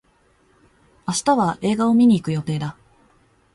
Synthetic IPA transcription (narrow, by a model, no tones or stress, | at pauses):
aɕi̥t̪aβaʔe̞ːɡao̞mʲiɲ̟iːkɯ̟jo̞t̪e̞ːd̪a